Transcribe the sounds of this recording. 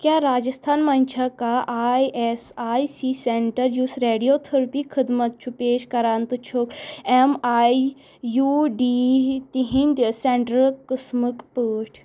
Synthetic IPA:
kʲjaːɾaːd͡ʒɐst̪ʰaːnmaːnʲt͡ʃʰakaʔaːjʔesaːjsiːseɳʈɐɾjusɾeːɖijoːt̪ʰɐɾpikʰɨd̪mɐt̪̚t͡ʃʰupeːʃkɐɾaːnt̪ɨt͡ʃʰokemaːj | juːɖiːt̪iɦĩnʲd̪ʲseɳʈɾɐlkɨsmɨkpəːʈʰ

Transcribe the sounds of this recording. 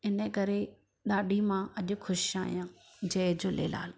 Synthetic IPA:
ɪnəkɐɾe | ɗaːɗʱimãʔɐʄʊ̆xʊʃaːɦijãː | d͡ʑɐɪd͡ʑoːlḛːla̰ːl

